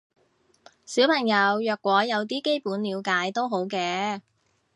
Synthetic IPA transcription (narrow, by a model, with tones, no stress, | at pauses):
siː˨˥wpʰɐ˨˩ŋjɐ˨˧wjœː˨˧kʷːwɔː˨˥jɐ˨˧wt̪iː˥ke˥jpuː˨˥nliː˨˧wkaː˨˥jt̪o˥wɦo˨˥wkɛː˧